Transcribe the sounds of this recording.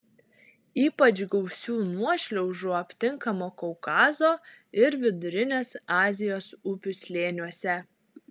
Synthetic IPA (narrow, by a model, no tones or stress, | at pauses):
iːpɐt͡ʃɡɐʊsʲuːnuɔʃʲlʲɛʊʒuːɐpʲt̪ʲɪŋkɐmoːkoʊkɑːzoːɪɾʋʲɪd̪ʊɾʲɪnʲeːsɑːzʲɪjoːsʊpʲʊsʲlʲeːnʲuɔsʲɛ